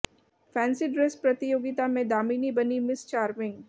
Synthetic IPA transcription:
fʰɛ̃ːnsɪʈɖɾespɾɐt̪ɪjoːɡɪt̪amẽd̪aːmiːnibɐnimɪst͡ʃaːɾmɪ̃ŋɡ

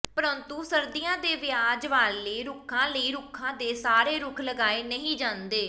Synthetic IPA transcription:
pəɾənt̪uːsəɾd̪ijãːd̪eːʋɪjaːd͡ʒʋaːleːɾʊkʰãːləiːɾʊkʰːãːd̪eːsaːɾeːɾʊkʰləɡaːeːnəɦĩːd͡ʒãːnd̪eː

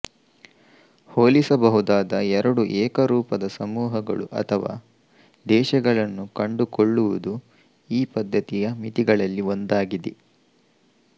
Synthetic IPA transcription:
hoːlisɐbɐɦud̪aːd̪ɐɛɾɐɽuʔɛːkɐɾuːpɐd̪ɐsɐmuːɦɐɡɐ̰ɭṵʔɐ̰t̪ʰɐʋa̰ː | d̪ɛːʃɐɡɐɭɐnːukɐɳɖukoɭːuʋud̪u | iːpɐd̪ːɐt̪ijɐmit̪iɡɐɭɐlːio̞nd̪aːɡid̪i

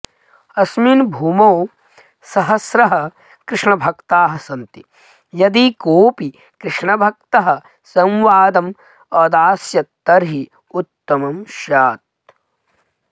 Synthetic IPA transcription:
ɐsminbʱuːmoː | sɐɦɐsɾɐɦɐ̆ | kɾɪʂɳɐbʱɐkt̪aːɦɐsɐnt̪i | jɐd̪ikoːpi | kɾɪʂɳɐbʱɐk̚t̪ɐɦɐ̆ | sɐ̃mʋaːd̪ɐm | ɐːd̪aːsjɐt̪ːɐɾɦi | ut̪ːɐmɐmʃaːt̪̚

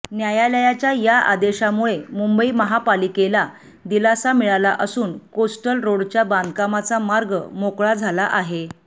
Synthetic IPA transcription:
njajaləjat͡ɕjajaʔa̰d̪eɕamuɭemumbəiːməɦapalikela | d̪ilasamiɭalaʔəsuːnkosʈəlɾoɽt͡ɕjaband̪kamat͡samaɾɡə̰mokɭad͡zʱalaʔaɦe

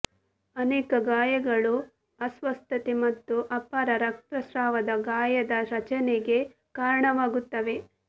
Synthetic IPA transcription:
ɐnɛːkɐɡaːjɐɡɐɭu | ɐsʋɐst̪ʰɐt̪emɐt̪ːuʔɐpːaːɾɐɾɐk̚t̪ɾɐʃɾaːʋɐd̪ɐɡaːjɐd̪ɐɾɐt͡ʃɐneɡe̞ | kaːɾɐɳɐʋaːɡut̪ːɐʋe̞

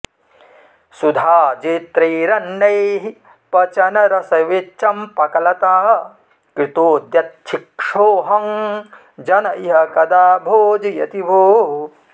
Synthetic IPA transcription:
sud̪ʱaːd͡ʒeːt̪ɾiːɾɐnːɐjɦi | pɐt͡ʃɐnɐɾɐsɐʋet͡ʃɐmpɐkɐlɐt̪aːɦɐ | kɾit̪oːd̪jɐt̪̚ʃʰikʂoːɦɐŋ | d͡ʒɐnɐiɦɐkɐd̪aːbʱoːd͡ʒijɐ̰t̪ibʱoː

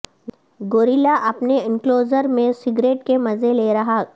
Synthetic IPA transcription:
ɡoːɾilaʔɐpneɪ̃ŋkloːzəɾmẽsɪɡɾeːʈkemɐzeleːɾɐɦaː

